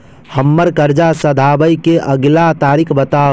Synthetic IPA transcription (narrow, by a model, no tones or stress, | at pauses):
həmːəɾkəɾd͡ʒasəd̪ʱabəjkeʔəɡlat̪aːɾikʰbət̪a